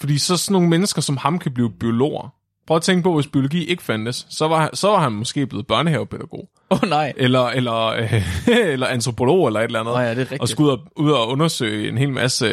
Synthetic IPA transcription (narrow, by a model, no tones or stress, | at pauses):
fɒd̥ḭːsɒ̽sɒno̝ːŋ̩menəsɡ̥ɐsɒ̽mhɑ̈mkʰæb̥liːʊb̥io̝lo̝̰ːɐ | pʰʁœʊɐt͡sʰeŋɡ̥əpʰɒ̽ʋe̝sb̥io̝lo̝ɡ̥ḭːʔe̝ɡ̥ə̥fænd̥əsːɒ̽ʋɑ̈sɒ̽ʋɑ̈hænmɒ̽sɡ̥e̝̰ːb̥le̝ð̞̩ˠb̥ɶɐnəhɛʊpʰeð̥ˠæɡ̥o̝̰ː | onɑɪ̰ʔelɐelɐøelɐænt͡sʰʁo̝pʰo̝lo̝̰ːelɐe̝dlænð̩eɒ̽sɡ̥uð̰ˠɒuð̞ˠɒɔ̽nɐsø̰ɪe̝nɦe̝̰ːlmʔæsə